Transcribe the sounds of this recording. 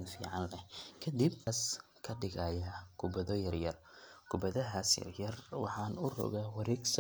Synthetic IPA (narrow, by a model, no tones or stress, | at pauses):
nfḭːʕɑnlɛkʰɐd̪ibɐs | kʰɐɖɪɣaːjaɡʰʊbɐðɔjɐrjɐrɡ̥ʰʊbɐðɐɦaːsjɐ̰rjɐrwɑ̰ħɑːnʊrɔ̰ɣaːwɑɾɛːɡsɐ